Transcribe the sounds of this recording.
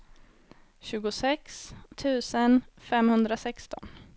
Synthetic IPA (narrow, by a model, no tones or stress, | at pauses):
ɕʉ̟ːɡʊsɛkst̪ʰʉ̟ːsənfɛmhɵnd̪ɾasɛkst̪ɔ̰n